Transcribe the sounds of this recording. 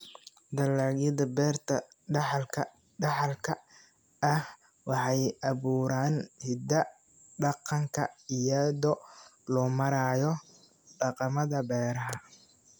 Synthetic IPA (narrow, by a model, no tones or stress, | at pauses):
d̪ɐlːaːɣjɐðɐbɛːrt̪ʰɐ | ɖɑħlkʰɐ | ɖɑħɑlkʰɐ | ɐh | wɑħɑjʔɑβuːɾaːnhɪd̪ɐ | ɖɑqɑŋkʰɐ̰ɪjɐðɔlɔːmɐɾaːjɔ | ɖɑqɑmɐðɐbɛːɾɐɦɐ